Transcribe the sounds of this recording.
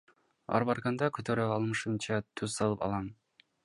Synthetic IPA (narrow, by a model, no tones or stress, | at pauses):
ɑ̰ɾbɑɾkɑnd̪ɑkʲʰɵt̪ʰøɾøɑlˠmɯʃɯmt͡ʃʰɑt̪ʰɵz̥sɑlˠɯpɑ̰lˠɑn